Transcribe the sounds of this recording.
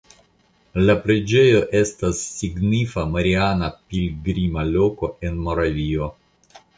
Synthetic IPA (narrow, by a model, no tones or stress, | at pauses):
lapɾe̞d͡ʒe̞jo̞ʔe̞stasːiɡnifamaɾianapilɡɾimalo̞ko̞e̞nmo̞ɾavio̞